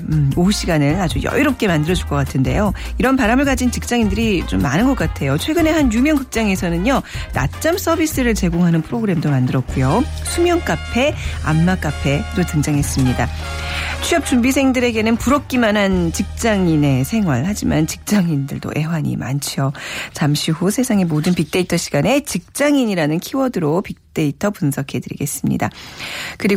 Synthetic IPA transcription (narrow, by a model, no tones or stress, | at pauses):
ɯouɕ͈ʰiɡanɯɭad͡ʑujʌ̰iɾop̚k͈e̞mandɯɾʌd͡ʑuɭk͈ʌk͈atʰɯnde̞̰jo | iɾʌnpaɾamɯɭɡad͡ʑint͡ɕik̚t͡ɕ͈aŋindɯɾit͡ɕomːanɯnɡʌk͈atʰe̞jot͡ɕʰwe̞ɡɯne̞ɦanjumjʌŋkɯk̚t͡ɕ͈aŋe̞sʰʌnɯɲjʌna̰t͡ɕ͈ʌms͈ʰʌbis͈ɯɾɯɭt͡ɕe̞ɡoŋɦanɯnpʰɯɾoɡɯɾe̞mdomandɯɾʌt̚k͈ujo | sʰumjʌŋk͈apʰe̞a̰mːak͈apʰe̞dotɯŋd͡ʑaŋɦe̞s͈ɯmɲida | t͡ɕʰuʌp̚t͡ɕ͈umbis̬ʰe̞ŋdɯɾe̞ɡe̞nɯnpuɾʌk̚k͈imanɦant͡ɕik̚t͡ɕ͈aŋine̞sʰe̞ŋwaɭhad͡ʑimant͡ɕi̥k̚t͡ɕ͈aŋindɯɭdo̰ʔe̞waɲḭma̰nt͡ɕʰijot͡ɕamɕʰiɦusʰesʰaŋe̞modɯnpik̚t͈e̞itʰʌɕʰi̥ɡ̥ane̞t͡ɕik̚t͡ɕ͈aŋiɲiɾanɯnkʰiwʌdɯɾopik̚t͈e̞itʰʌpunsʰʌkʰe̞dɯɾḭɡe̞s͈ɯmɲḭda̰kɯɾi